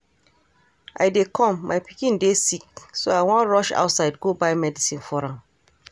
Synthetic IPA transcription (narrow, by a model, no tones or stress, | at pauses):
ʔa̰ɪdekɔ̃mːaɪpikĩndesik̚soaɪwɔ̃nɹɔʃa̰ʊtsaɪdɡobaɪmɛdisĩnfɔɹãm